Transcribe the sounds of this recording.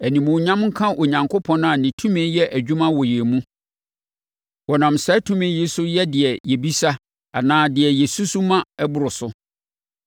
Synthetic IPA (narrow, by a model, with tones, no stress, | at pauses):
æ˨nĩ˨mʊ̃˨ɲã˦mŋ̩˦kʰã˦ʔo˨ɲã˨ŋkʰo˦pʰɔ̃˦n˦ã˨nɪ̃˨tʰũ˦mẽ˨˦jɛ˦ʔæ˨d͡ʑᶣu˦mã˦wɔ˨jɛ˨mũ˦ | wɔ˨nã˨msɛ˦tʰũ˦mẽ˨˦ji˦sʊ˦jɛ˦dɪ˨ɛ˨jɛ˨bi˦sa˦ | a˨nãː˦dɪ˨ɛ˨jɛ˨su˦su˦mã˦ɛ˦bʊ˨ɾʊ˨sʊ˦